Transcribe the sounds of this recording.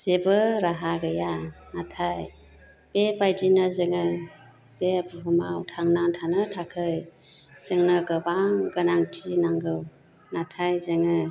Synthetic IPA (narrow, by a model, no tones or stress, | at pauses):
sebɯɾaɦaɡɯjanatʰaj | b̥epajdinɯzɯŋɯ | bebuɦumawtʰaŋnaŋtʰanɯtʰakʰɯj | z̥ɯŋnɯɡɯbaŋɡɯnaŋtʰinaŋɡɯw | natʰajzɯŋɯ